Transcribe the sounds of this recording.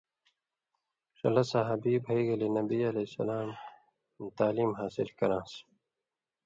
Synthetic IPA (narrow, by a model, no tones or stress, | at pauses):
ʂɐ̰lɐsaɦɐbiːbʱɐiːɡɐlenɐbiːɐlesɐ̰laːm | t̪aːliːmɦaːsɪlkɐɾãːs